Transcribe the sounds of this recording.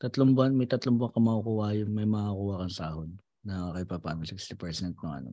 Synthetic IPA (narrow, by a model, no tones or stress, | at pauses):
t̪ɐt̪lombɐnmɐjt̪ɐt̪lombʊɐŋkɐmɐʔukʊwaːjonmɐjmɐŋakuwakɐnsɐʔahonː | ɐakɐjpapa̰ːnosɪkst̪ɪpɛɾsɛnt̪̚noŋɐ̰no